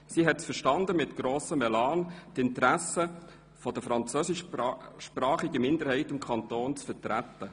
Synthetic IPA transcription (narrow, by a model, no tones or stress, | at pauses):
siːɦɛtsfəʃtɑnd̪əmɪtɡ̥ɾoːsəmɛlɑːntɪntəɾæsə | fɔd̥əfɾɑnt͡søːsɪʃʃpɾɑːχɪɡəmɪndəɾhɛɪtɪmkʰɑnt̪oːnt͡sfətɾæt̪ːə